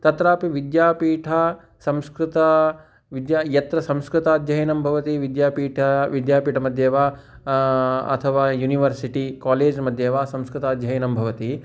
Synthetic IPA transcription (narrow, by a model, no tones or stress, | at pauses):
t̪ɐt̪ɾaːpiʋid̪jaːpiːʈʰɐ | sɐ̃mskɾɪt̪ɐ | ʋid̪jaːjɐt̪ɾɐsɐ̃mskɾut̪aːd̪jɐɦjnɐmbʱɐʋɐt̪iʋid̪jaːpiːʈʰɐʋid̪jaːpiːʈʰɐmɐd̪ʱjeːʋaː | ɐ̰t̪ʰɐʋaːjuːniʋɐɾsiʈikaːleːd͡ʒmɐd̪ʱjeːʋaːsɐ̃mskɾɪt̪aːd̪jɐɦinɐmbʱɐʋɐt̪i